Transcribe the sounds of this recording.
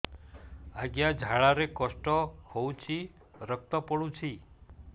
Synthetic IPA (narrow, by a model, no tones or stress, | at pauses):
aɡjad͡ʒʱaɭaɾekɔsʈɔhowt͡ʃʰi | ɾək̚t̪ɔpɔɽut͡ʃʰi